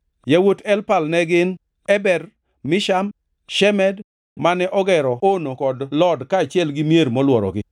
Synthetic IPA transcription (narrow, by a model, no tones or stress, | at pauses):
jawotʰɛlpalnɛɡɪn | ɛbɛɾ | mɪʃam | ʃɛmɛd | manɛʔɔɡɛɾɔonokɔdlɔdkaːt͡ʃɪɛlɡɪmjeɾmɔlwɔɾɔ̰ɡɪ